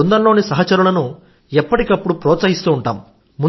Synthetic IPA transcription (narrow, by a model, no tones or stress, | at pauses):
und̪ɐnlo̞ːnisɐɦɐt͡ʃɐɾulɐnu | ɛpːɐʈikɐpːuɽupɾɔːt̪sɐɦist̪uːɳʈa̰ːm | mu